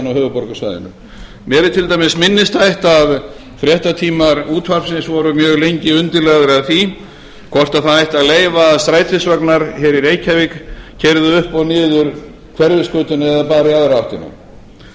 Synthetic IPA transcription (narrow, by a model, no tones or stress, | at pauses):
nawhœːvʏpɔɾkasva̰jðɪ̰nʏ̰ | mjɛːɾɪt̪ʰɪlt̪ajmɪsmɪnːɪst̪ajht̪av | fɾjɛht̪at̪ʰiːmaɾuːt̪ʰvar̥psɪnsvɔːɾʏmjœːɣlejɲcɪʏnt̪ɪlɛɣðʏɾaðθi | kʰɔr̥t̪aðθaajht̪aðleːjvaːðst̪ɾaːjt̪ʰvɪsvœknaɾ̥hɛːɾiɾeːjcʰavɪkcʰɛɾðʏʏhpɔɣnɪːðʏɾ | kʰvɛɾvɪskʏːt̪ʏnɛðapaːɾiaðɾawht̪ɪna̰